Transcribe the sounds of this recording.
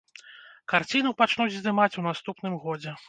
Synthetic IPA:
kart͡sʲinupat͡ʂnud͡zʲzd̪ɨmat͡sʲun̪ast̪upn̪ɨmɣɔd͡zʲɛ

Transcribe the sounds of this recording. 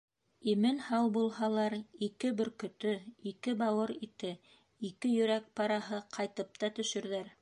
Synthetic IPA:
imɘnhɑwbulˠhɑlˠɑɾikɘbɵ̆ɾkɵ̆t̪ɵikɘbɑwɤɾit̪ɘ | ikɘjɵ̆ɾæk̚pɑɾɑɦɤqʰɑjt̪ɤp̚t̪ɑt̪ɵ̆ʃɵ̆ɾðæɾ

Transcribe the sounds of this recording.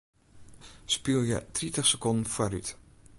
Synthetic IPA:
spilˠjə̰tritəχsəkɔndn̩fwaryt

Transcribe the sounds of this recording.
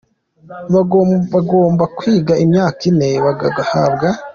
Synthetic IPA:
βaɡaɡoːmbakwiːɡaʔimɲaːkine̞βaɡaɡahabɡa

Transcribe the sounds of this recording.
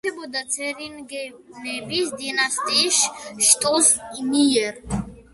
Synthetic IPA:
ɛbɔd̪at͡sʰɛɾinɡɛnɛbisd̪inast̪ʼiʃʃt̪ʼɔsinijɛɾ

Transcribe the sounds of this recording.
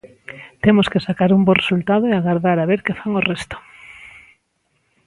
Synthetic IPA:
t̪emoskesakaɾumboresult̪að̞oeaɣaɾðaɾaβeɾkefaŋorɛst̪o̥

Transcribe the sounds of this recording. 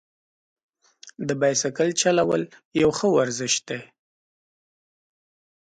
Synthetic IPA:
d̪əbajsakəlt͡ʃalawəljawxəwaɾzɪʃd̪̥e

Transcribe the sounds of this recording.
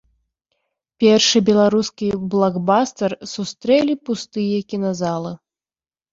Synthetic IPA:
pʲɛrʂɨbʲɛlˠaɾuskʲiblˠaɡbast̪ɛrsust̪ɾɛlʲipust̪ɨjɐkʲinazalˠɨ

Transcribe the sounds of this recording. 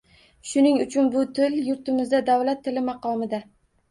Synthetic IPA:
ʃʊnɪŋʊt͡ʃʰʊnbʊt̪ʰɪljʊɾt̪ɪmɪzd̪ad̪awlat̪ʰːɪlɪmɑqɒmɪd̪a

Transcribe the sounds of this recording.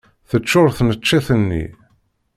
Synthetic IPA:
θət͡ʃːʊɾθnət͡ʃːæθənːḭ

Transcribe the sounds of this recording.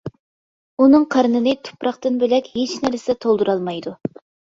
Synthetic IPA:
unɨŋqʰɑɾnɨnɨt̪ʰu̥pɾɑqt̪ɨnbɪlɛkʲhet͡ʃnæɾsɛt̪ʰolˠd̪uɾɑlˠmɑjd̪u

